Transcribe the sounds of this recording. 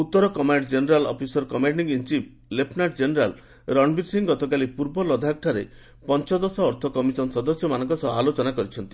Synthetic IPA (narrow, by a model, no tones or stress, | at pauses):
ut̪ːɔɾɔkɔmaɖd͡ʒeneɾalɔ̰pʰisɔɾkɔmaɖiŋint͡ʃip | lepʰnaʈd͡ʒeneɾal | ɾɔnbiʈsiŋɡɔt̪ɔk̬alipuɾbɔlɔd̪ʱak̚ʈʰaɾe | pɔnt͡ʃɔd̪ɔsɔːɾt̪ʰɔkɔmisɔnsɔd̪ɔsjɔmanɔŋkɔsɔɦalot͡ʃɔnakɔɾit͡ʃʰɔnt̪i̥